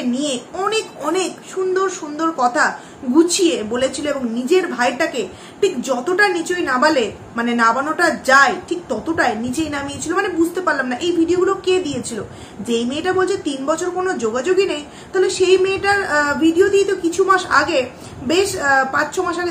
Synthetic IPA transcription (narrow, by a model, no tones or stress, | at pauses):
nieɔnekɔnekʃund̪oɾʃund̪oɾkɔt̪ʰa | ɡut͡ɕʰiebolet͡ɕʰiloeboŋnid͡ʑeɾbʱajʈake | ʈʰikd͡ʑɔt̪oʈanit͡ɕojnabale | manenabanoʈad͡ʑaeʈʰik̚t̪ɔt̪oʈaenit͡ɕejnamiet͡ɕʰilomanebud͡ʑʱt̪epaɾlamnaʔejbʱiɖioɡuloked̪iet͡ɕʰilo | d͡ʑejmeːʈabolt͡ɕʰet̪inbɔt͡ɕʰoɾkonod͡ʑoɡad͡ʑoɡinej | t̪ɔɦoleʃejmeʈaɾbʱiɖiod̪iet̪okit͡ɕʰumaʃa̰ɡe | beʃpãt͡ɕt͡ɕʰomaʃaɡe